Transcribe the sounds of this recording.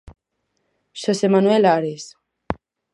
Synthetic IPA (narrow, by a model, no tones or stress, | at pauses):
ʃəsemanuelaɾes